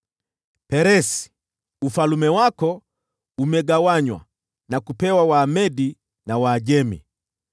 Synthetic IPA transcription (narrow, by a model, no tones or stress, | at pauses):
pɛɾɛsi̥ | ufalumɛwakɔ | umɛɡawaɲwa̰ | nakupɛwawaːmɛdi | nawaːʄɛmḭ